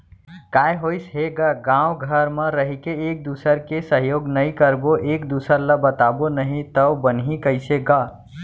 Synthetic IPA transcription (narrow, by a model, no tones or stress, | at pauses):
kajɦojsɦeɡəɡãwɡʱəɾmə̃ɾəɦikeek̚d̪usəɾkesəɦjoɡnəjkəɾboʔekd̪usəɾləbət̪abonəɦĩt̪əwbənɦikəɪseɡə